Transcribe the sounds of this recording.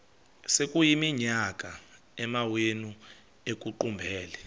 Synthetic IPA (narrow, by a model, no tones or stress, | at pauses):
sekʼujimiɲak̬ʼa | ɛmawenu | ek̬ʼuǃumbʱɛːlɛ